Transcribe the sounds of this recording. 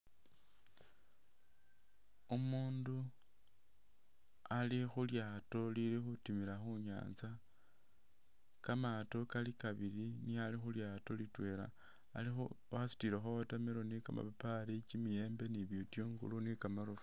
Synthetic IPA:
umuːndu | alixuljaːto̞lilixutimilaxuɲa̰ːnza | kamato̞kalikaβilinialixuljaːto̞litwe̞ːla̰ː | lixu | asi̥tiɾexootameɾonikama̰papaɾit͡ʃimijeːmbe̞niβjotjoːŋɡṵlunikamaɾof

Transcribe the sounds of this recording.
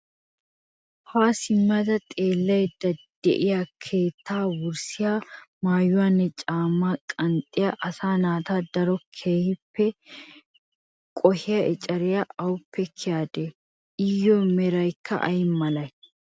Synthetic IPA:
haːsɪmːɐd̪ɐt̪ʼe̞ːlːɐjd̪ɐd̪̥ɛ̰ʔɪjakʰe̞ːt̪ʰːaːwʊɾsɪjaːmaːjʊwaːnːɛt͡ʃʼaːmːakʼɐnt̪ʼːɪjaʔɐsaːnaːt̪aːd̪ɐɾɔkʰeːhɪpːɛ | kʼɔhɪjɐʔɛt͡ʃʼɐɾɪjaɐwʊpːɛkʰɪjaːd̪ɛ | ʔɪjːɔmɛɾɐjkːɐ̰ʔɐ̰jmːɐlɐj

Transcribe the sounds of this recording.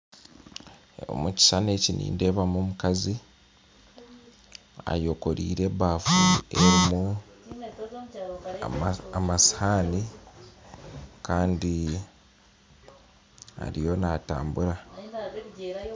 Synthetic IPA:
o̰muci̥sane̞cinḭːnde̞ːβamomukazi | a̰jo̞ko̞ɾḭːɾe̞βaːfueɾimu | amasi̥haːni | kaːndi | a̰ɾijo̞nata̰ːmbuɾa

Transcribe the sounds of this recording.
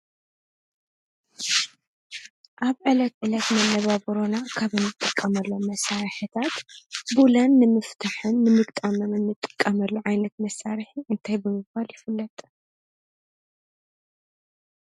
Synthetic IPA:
ʔaβʕɨlɐt̪ʕɨlɐt̪mɐnːɐβaβɨɾonakʰaβɨnːɨt̪ʼːɨkʼːɐmɐlːo̞mːɐsaɾħɨt̪ʰat̪bulɐnːɨmɨft̪ʰaħɨnːɨmɨɡt̪ʼamɐmɨnːɨt̪ʼːɨ̥kʼːɐmɐlːuʕajnɐt̪mɐsːaɾħiʔɨnt̪ʰajbɨmɨbbaljɪfɨlːɐt̪ʼ

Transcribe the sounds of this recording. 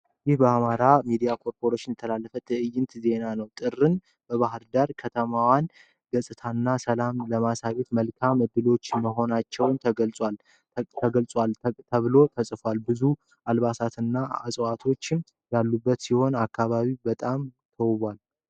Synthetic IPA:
jɪhbəamaɾamid̪ijakʰo̞ɾpʰo̞ɾeʃɪnjɛt̪ʰəlalːəfət̪ʰɨʔɨjɪnt̪ze̞nanəwt̪ʼɨrːɨn | bəβaɦɨɾd̪aɾkʰət̪ʰəmawan | ɡəsʼɨt̪ʰanːasəlamləmasaβet̪məlkʰamɨd̪ːɨlo̞t͡ʃːməɦo̞nat͡ʃːɛwnt̪ʰəɡəlsʼwal | t̪ʰəɡəlsʼwalt̪ʰəβɨlo̞t̪ʰəsʼfwalbɨzu | alβasat̪ʰɨnːaa̰sʼat̪ʰo̞t͡ʃːm | jalːubːət̪siho̞nakʰːaβaβibət̪ʼam | t̪ʰəwβʷal

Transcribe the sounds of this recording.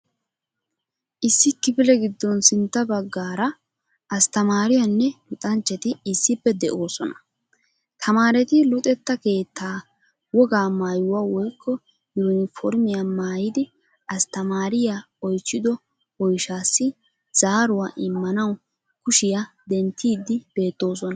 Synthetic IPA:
ʔɪsːɪkɪpɪlɛɡɪd̪ːɔnsɪnt̪ːɐbɐɡːaːɾɐ | ɐst̪ɐmaːɾɪjɐnːɛlʊt̪ʼɐnt͡ʃːɛt̪ɪɪsːɪpːɛd̪ɛʔo̞ːsɔnɐ̥ | t̪ʰɐmaːɾɛt̪ɪlʊt̪ʼɛt̪ːɐke̞ːt̪ʰːaː | wɔɡaːmaːjʊwawɔjkːɔ | junɪfɔɾmɪjɐmaːjɪd̪ɪ | ɐst̪ɐmaːɾɪja | ɔjt͡ʃːɪd̪ɔ | wɔjʃaːsːɪ | z̥aːɾʊwaːʔɪmːɐnɐw | kʊʃɪjɐ | d̪ɛnt̪ːiːd̪ːɪb̥e̞ːt̪ːo̞ːsɔnɐ

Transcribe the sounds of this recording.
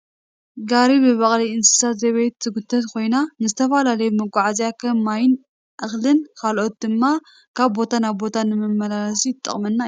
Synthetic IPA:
ɡaɾiβɨβɐχʼliɨnsɨ̥sat̪zɐβet̪ːɨɡut̪ʰːɐt̪kʰo̞jnanɨzɨt̪ʰɐfalalɐjumɨɡʷaʕazjakʰɐmːajɪn | ʔɨxlɨnkʰalʔo̞t̪̚d̪ɨmːa | kʰaβbo̞t̪ʰanabo̞t̪ʰanɨmɨmːɐlalɐs̬iɪt̪ʼːɐ̰χʼmɐnːa

